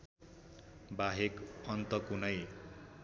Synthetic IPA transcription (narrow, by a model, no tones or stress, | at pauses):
baɦekʌnt̪ʌkunʌj